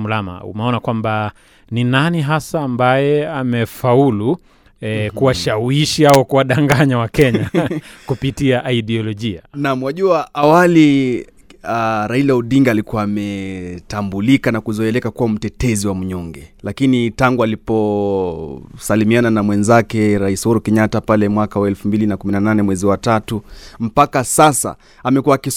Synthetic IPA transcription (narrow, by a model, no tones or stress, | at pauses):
lama̰ṵmɛɔnakwamba | ninaniɦasaːmbajɛamɛfaulu | kuwaʃawiʃiaɔkuwaɗaŋɡaɲawakɛɲakupitiaʔːiɗɛɔlɔʄia̰namwaʄuaʔawali | aɾailauɗiŋɡaːlikuaːmɛtambulikanakuzɔɛlɛkakuwam̩tɛtɛziwam̩uɲɔŋɡɛlakinitaŋɡualipɔ | salimiananamwɛnzakɛɾaishuɾukɛɲatapalɛmwakawaɛlfumbilinakuminananɛmwɛziwatatum̩pakasasa̰ | amɛkuaːki